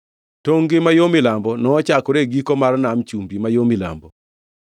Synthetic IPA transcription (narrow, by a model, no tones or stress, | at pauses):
toŋɡɪmajomɪlambɔnɔːt͡ʃakɔɾeɡikɔmarnamt͡ʃumbimajomila̰mbɔ